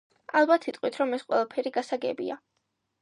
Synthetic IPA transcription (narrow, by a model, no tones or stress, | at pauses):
alˠbat̪ʰit̪ʼqʼwit̪ʰɾɔmɛsqʼwɛlˠapʰɛɾiɡasaɡɛbḭa